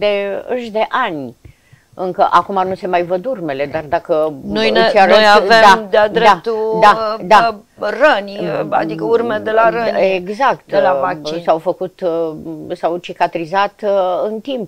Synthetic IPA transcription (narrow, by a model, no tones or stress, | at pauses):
d̪e̞ɨʃd̪e̞ʔanʲ | ɨŋkəʔakumanuse̞majvəd̪urme̞le̞d̪ard̪akənojsiaɾəojaved̪ad̪ead̪eat̪uad̪a | rənʲa̰d̪ikəurmed̪elaɾənʲeɡzak̚t̪elaasawfəkut̪ | sawt͡ʃikat̪ɾizat̪ɨnt̪imp